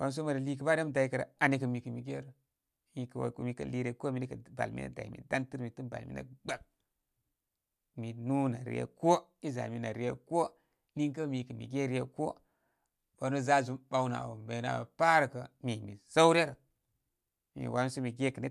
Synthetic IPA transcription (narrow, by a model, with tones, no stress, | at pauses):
wa˨˦m˦s̬o˦ma˨ɾli˦kə˨ba˦de˦m˨da˨ji˦kə˨ɾa̰˨a˨ni˦kə˨mi˨kə˨mi˨ɡe˦ɾ | mi˨kw̰mi˨kə̰˨li˦ɾe˨ko˦mi˨ni˦kə˨ba̰˨lmḭ˦na̰˦da̰˨mḭ˨da˦nti˦ɾmi˨tu˦ba̰˨lmḭ˦na̰˦ɡ͡ba˨k̚ | mi˨nu˦na˨ɾḭ˦ḛ˦ko˦i˦za̰˨mi˨na˨ɾi˦jḛ˦ko˦ | ni˦ŋkə˦mi˨kə˨mḭ˨ɡe˦ɾi˦je˦ko˦ | ba˨˦no˦za˦zu˦mɓa˦wna̰˨wo˨mbe˨˦na̰˨ba̰˨pa˦ɾkə˨mi˨mḭ˨z̥a˦wɾe˦ɾə˨ | mḭ˨wa˨˦m˦so˦mi˨ɡe˦kə˨ni˦